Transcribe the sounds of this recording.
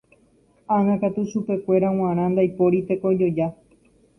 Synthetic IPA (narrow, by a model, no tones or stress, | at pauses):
ãŋãkat̪uʃupe̞kʷe̞ɾaw̃ãɾ̃ãnd̪ajpo̞ɾit̪e̞ko̞d͡ʒo̞d͡ʒa